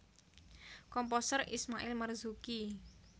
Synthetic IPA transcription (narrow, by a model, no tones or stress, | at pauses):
kɔmposərḭsmaʔɪlmərzuki